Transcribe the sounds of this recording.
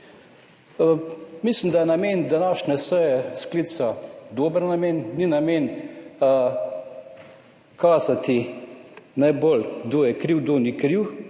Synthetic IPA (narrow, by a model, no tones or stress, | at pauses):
mislimd̪ajɛnameːnd̪anaːʃnɛsəjɛskliːt̪sad̪oːbəɾnameːnːinameːn | kʰaːzat̪i | najbolɡd̪oːjɛkɾiwd̪onikɾiw